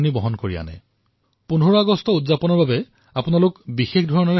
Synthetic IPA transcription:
nibɔɦɔnkoɹija̰nɛ̰ | punɦuɹaɡɔstʰɔutzapɔnɔɹbabɛ | apʊnalʊkbixexdʱɔɹɔnɔɹ

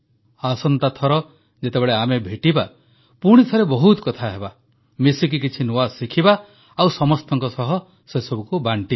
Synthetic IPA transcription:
asɔnt̪at̪ʰɔɾɔ | d͡ʒet̪ebeɭeamebʱeʈiba | puɽ̃it̪ʰɔɾebɔɦut̪kɔt̪ʰaɦeba | misikik̬it͡ʃʰinoasikʰiba | awsɔmɔst̪ɔŋkɔsɔɦɔ | sesɔbukubaɳʈi

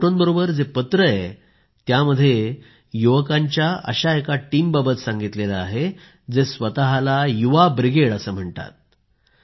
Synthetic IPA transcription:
ʈonbəɾobəɾd͡zepət̪ɾəe | t̪jaməd̪ʱːje | juʋəkãɲt͡ɕjaə̰ɕaekaʈiːmbabət̪sãŋɡit̪lelaːɦe | d͡zesʋət̪aɦalajuʋabɾiɡeɽəsəːm̤əɳt̪a̰t̪̚

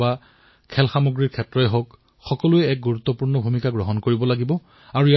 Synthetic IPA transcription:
ba | kʰɛlxamoɡɹiɹkʰɛtːɹɔɛɦok | xɔkɔluɛɛk̚ɡuɹut̪ːɔpuɹnɔbʱumikaɡɹɔɦɔnkoɹibɔlaɡibɔ | aɹui

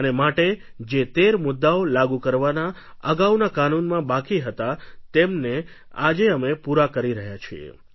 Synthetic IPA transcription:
ənemaʈed͡ʒet̪eɾmʊd̪ːaolaɡukəɾʋana | əɡawnakanunmãbakiɦət̪at̪emne | ad͡ʒeəmepuɾakəɾiɾəɦjat͡ʃʰiḛ

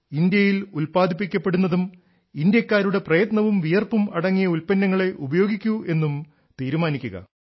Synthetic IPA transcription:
ind̪jɐjilulpaːd̪ʱip̬ːikʲːɐpːe̞ɽunːɐðum | ind̪jɐkʲːaːɾuɽe̞prɐjɐt̪nɐʋumʋijɐrpumɐɽɐŋːijɐulpɐnːɐŋːɐɭe̞ʔubɐjo̞ːɡikʲːue̞nːum | t̪iːɾumaːnikʲːuɣɐ̰

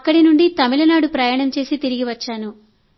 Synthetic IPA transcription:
ɐkːɐɽinuɳɖit̪ɐmilɐnaːɽupɾɐjaːɳɐmt͡ʃe̞ːsit̪iɾiɡiʋɐt͡ʃːaːnu

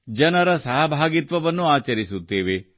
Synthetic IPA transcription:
d͡ʒɐnɐɾɐsɐɦɐbʱaːɡit̪ʋɐʋɐnːuaːt͡ʃɐɾisut̪ːeːʋe

